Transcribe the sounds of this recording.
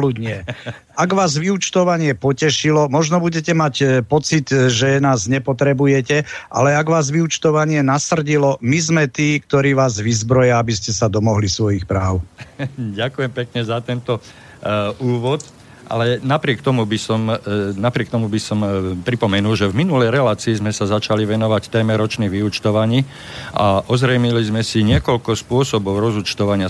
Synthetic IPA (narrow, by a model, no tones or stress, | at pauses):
ludɲɛ | aɡʋaːzʋiut͡ʃt̪ɔʋaɲɪɛpɔcɛʃilɔmɔʒnɔbuɟɛcɛmacpɔt͡sid̪ʒɛnaːzɲɛpɔt̪ɾɛbujɛcɛʔa̰lɛaɡʋaːzʋiut͡ʃt̪ɔʋaɲɪɛnasr̩ɟilɔmizmɛt̪iːkt̪ɔɾiːʋaːzʋizbɾɔjaabiscɛsad̪ɔmɔɦlisʋɔjixpɾaːʊ | ɟakujɛmpɛkɲɛzat̪ɛnt̪ɔ | uːʋɔt̪ | ʔa̰lɛnapɾɪɛkt̪ɔmubisɔmnapɾɪɛk̚t̪ɔmubisɔmpɾipɔmɛnulʒɛvminulɛjɾɛlaːt͡siːzmɛsazat͡ʃaliʋɛnɔʋact̪ɛjmɛɾɔt͡ʃniːɣʋiut͡ʃt̪ɔʋaɲiː | ʔaʔɔzɾɛjmilizmɛsiɲɪɛkɔlkɔspʊɔsɔbɔʊɾɔzut͡ʃt̪ɔʋaɲɪa